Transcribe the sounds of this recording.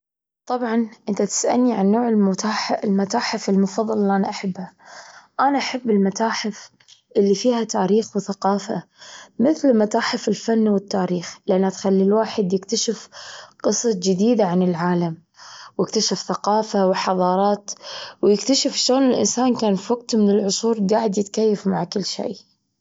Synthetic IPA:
t̪ˤɑbʕɑnʔɪnt̪at̪ɪ̥sʔa̰lniʕanːoːʕɪlmʊt̪aːħʔlmat̪aːħɪfɪlmʊfɑðˤːɑllːiʔanaʔaħabːhaʔanaʔaħabːɪlmat̪aːħɪf | ʔɪlːifiːhat̪aːɾiːxwɪθaqɑːfa̰mɪθlmat̪aːħɪfɪlfanːwɪt̪ːaːɾiːxlɪʔanːat̪xalːilwaːħɪd̪jɪkt̪aʃɪfqɨsˤɑd͡ʒɪd̪iːd̪aʕanɪlʕaːlam | wjɪkt̪aʃɪfθaqɑːfawɪħɑðˤɑːɾˤɑːt̪wjɪkt̪aʃɪfʃoːnɪlʔɪ̰nsaːnkaːnfiwaɡt̪mɪnɪlʕʊsˤuːɾɡaːʕɪd̪jɪt̪kajːafmaʕkɪlːʃḛː

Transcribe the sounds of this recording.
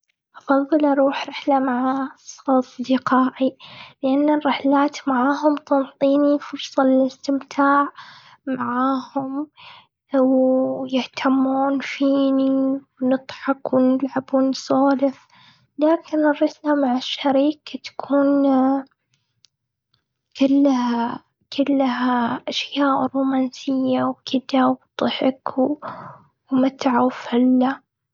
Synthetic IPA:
ʔɑfɑðˤːɨlʔɑɾˤuːħɾɪħlamaʕasˤɑsˤd̪ɪqaːʕilɪʔanːarːɪħlaːt̪maʕaːɦʊmt̪ɑnt̪ˤiːnifʊɾsˤɑlɪlɪst̪ɪmt̪ʰaːʕ | maʕaːhʊm | wjɪht̪ʰamːuːnfiːniwnɨt̪ˤħɑkwnɪlʕabuːnsˤɑːlɪf | laːkɪnɪrːɑslamaʕaʃːaɾiːkt̪ḁkʰuːn | kɪlːha | kɪlːhaʔaʃjaːʔɾuːmaːnsɪjːawkʰɪd̪awt̪ˤɨħɪkw | mat̪ʕawfalːa

